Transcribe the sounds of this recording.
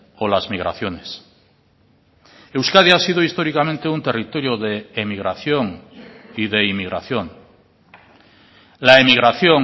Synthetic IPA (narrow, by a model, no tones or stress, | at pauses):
olazmiɣ̞ɾa̰θjo̞nes | ewskaðjaasið̞oist̪o̞ɾikamẽnt̪eunt̪e̞rit̪oɾjoðeːmiɣ̞ɾaθjoŋiðeimiɣɾʔa̰θjo̞ŋ | laemiɣ̞ɾaθjoŋ